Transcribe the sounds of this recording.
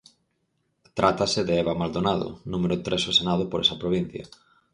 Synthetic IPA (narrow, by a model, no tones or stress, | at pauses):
t̪ɾʔat̪asɪðeɛβamald̪onaðʊ̰numeɾʊt̪ɾʔesosenað̞ʊpoɾɛsɐpɾoβ̞in̟θjɐ̰